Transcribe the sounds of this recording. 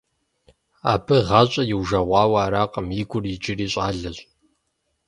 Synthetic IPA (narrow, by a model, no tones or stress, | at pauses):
a̰ːbʰɨʁɑːɕʼɐjɪwʒɐʁʷɑːwɐːɾaːqɐmjiɡʷʊrjɪd͡ʒɪriːɕʼaːɮɐɕʼ